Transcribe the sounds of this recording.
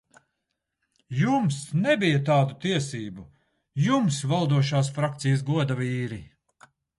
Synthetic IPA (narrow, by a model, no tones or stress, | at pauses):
jumsnɛbijat̪aːd̪ut̪iɛsiːbu | jumsvalˠd̪uɔʃ̬aːsfɾak̚t̪sijəsɡuɔd̪aviːɾi